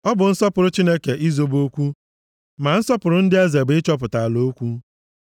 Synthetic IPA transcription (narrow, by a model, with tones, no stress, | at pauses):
ɔ˦bʊ˨n̩˦sɔ˦pʊ˨ɾʊ˦t͡ʃi˦ne˦ke˨ʔi˦zo˦bo˦kʷu˦ | ma˨n̩˦sɔ˦pʊ˨ɾʊ˦n̩˦dɪ˦a˦ze˨bɪ˦t͡ʃɔ˦p̬ʊ˨ta˨lo˦kʷu˦